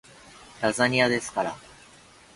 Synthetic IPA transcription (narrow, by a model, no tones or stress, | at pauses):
t̪azaɲ̟iad̪e̞sɨ̥kaɾa